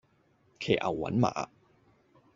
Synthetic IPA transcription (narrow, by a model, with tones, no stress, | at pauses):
kʰeː˨˩ʔɐ̰˨˩wːɐ̰˨˥nma̰ː˨˦